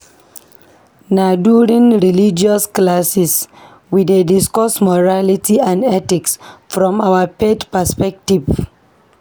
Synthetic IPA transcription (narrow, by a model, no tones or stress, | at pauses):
naduɹĩŋɹilid͡ʒiɔsklasis | widediskɔsmɔɹalitiãndɛtiksfɹɔ̃mawəpedpəspɛk̚tiv